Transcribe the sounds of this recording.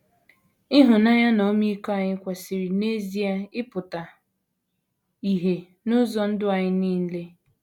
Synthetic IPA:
ɪ˦ɦʊ˨na˦ɲa˦no˨˦mi˦i˦kɔ˦a˨ɲɪ˦kʷa˨si˨ɾi˨ne˦zi˦a˦ɪ˦pʊ˨ta˨ | i˨ɦe˨ | nʊ˦zɔ˨n̩˦dʊ˦a˨ɲɪ˦niː˦n̩˦le˦

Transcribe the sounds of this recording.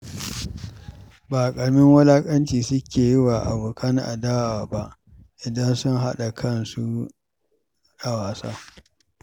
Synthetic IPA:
baː˨kʼɐ˨ɽmɪ˦ŋwɐ˦laː˦kʼɐ˦nt͡ʃiː˨sʊ˦kʲeː˨jɪ˦waː˨ʔa̰˨bʊ˨kʰɐ˦nʔa̰˨daː˦waː˨ba˦ʔ | ʔɪ˨dɐ˦nsʊ˦nɦa˦ɗa˨kʰɐ˦˨nsu˦ | ɗa˦waː˨sa̰ː˦

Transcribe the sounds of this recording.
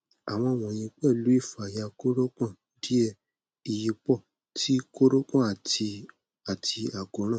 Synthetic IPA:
a̰˨w̃ɔ̃˧˦˧w̃ɔ̃˨j̃ĩ˧k͡pɛ˦˨lu˨˦i˦˨fa˨ja˧ko˦ɾo˦kã˦˨ | di˦ɛ˦˧ | i˨ji˧k͡pɔ˦˨ | ti˦ko˦ɾo˦kã˦˨a˨ti˧ | a˨tʰi˧a˨ɡo˨˦ɾ̃ã˦˨

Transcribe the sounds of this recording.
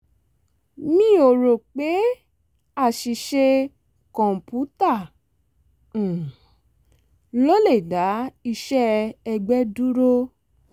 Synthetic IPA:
mĩ˦o˨ɾo˨k͡pe˨˦ | a˦˨ʃi˧ʃe˧ | kɔ̃˨m̩˨pu˨˦ta˦˨ | lo˦le˦˨da˨˦i˧ʃɛ˦ɛ˧ɡ͡bɛ˦du˦ɾo˦

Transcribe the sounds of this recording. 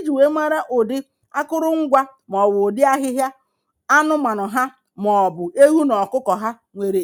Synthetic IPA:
e˦d͡ʒi˨we˦ma˦ɾa˦ʔʊ˨dɪ˦ | a˦kʊ˦ɾʊ˦ŋ̩˦ɡʷa˦m˨ɔ˨wʊ˨dɪ˦a˦ɦɪ˦ɦja˦ | a˦nʊ˦ma˨nʊ˨ɦa˦ | m˨ɔ˨bʊ˨e˦ɦu˦nɔ˨kʊ˦kɔ˨ɦa˦ | ŋʷe˨ɾe˨

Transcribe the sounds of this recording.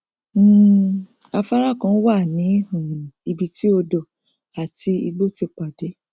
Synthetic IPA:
m̩˦ | a˧fa˦ɾa˦˨kã˨˦wa˦˨nĩ˨˦ũ˨ĩ˨i˧bi˧ti˦o˧dɔ˨ | a˨ti˧i˧ɡ͡bo˦˨ti˧k͡pa˨de˨˦

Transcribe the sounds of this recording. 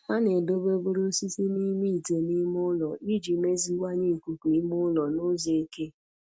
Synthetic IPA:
a˦ne˨do˦be˦bo˦ɾu˦si˦si˦ni˦mi˦˨te˨ni˦mʊ˦lɔ˨i˦d͡ʒi˨me˦zi˦wa˦ɲe˦˨ku˨kʷi˨˦mʊ˦lɔ˨no˦ze˨˦ke˦

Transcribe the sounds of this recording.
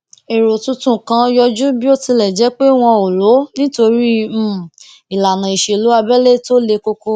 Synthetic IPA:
e˨ɾo˨tũ˧tũ˦kã˧˦jɔ˧d͡ʒu˦bi˦o˦ti˧lɛ˨d͡ʒɛ˨˦k͡pe˦w̃ɔ̃˧o˨lo˨˦nĩ˦to˧ɾi˦˨ | i˨la˨nã˨i˨ʃe˨lu˨˦a˧bɛ˦le˦to˦le˧ko˧ko˧

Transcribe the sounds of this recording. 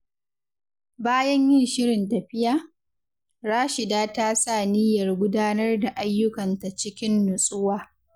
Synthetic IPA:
baː˦jɐ˦ɲjɪ˦nʃɪ˦ɾɪ˨ntɐ˨ɸɪ˦jaː˦ | ɽaː˦ʃɪ˨daː˦ta˦sa˦˨nɪ˦jɐ˨rɡʷʊ˦daː˦nɐ˦rda˨ʔa˦jːʊ˦kɐ˨nta˨t͡ʃɪ˦kʲɪ˦nːʊ˨sʼʊ˦waː˦˨

